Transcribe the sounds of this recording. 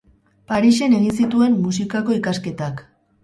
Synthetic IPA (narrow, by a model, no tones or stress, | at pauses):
paɾiʃe̞ne̞ɣinsit̪ue̞mːusikako̞ikaske̞t̪ak